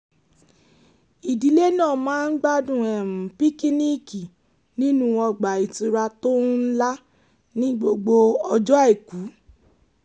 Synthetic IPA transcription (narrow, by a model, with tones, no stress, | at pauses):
i˨di˨˦le˦nãː˦˨mãː˦n̩˦ɡ͡ba˦dũ˨ɛ˨m̩̃˨pi˦ki˦ni˦˨ki˨ | nĩ˦nũ˦wɔ˧ɡ͡ba˨i˨ti˧ɾa˧to˦n̩˦la˦ | nĩ˦ɡ͡bo˧ɡ͡bo˧ɔ˧d͡ʒɔ˦a˦e˨ku˨˦